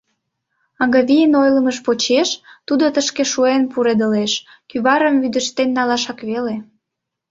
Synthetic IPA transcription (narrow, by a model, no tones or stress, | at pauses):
ɑŋɡɑβijənojləməʃpot͡ɕeʃt̪ud̪ot̪əʃkeʃuenpuɾed̪ə̆leʃ | kyβɑɾəmβyd̪ə̆ʃt̪enːɑlɑʃɑkβele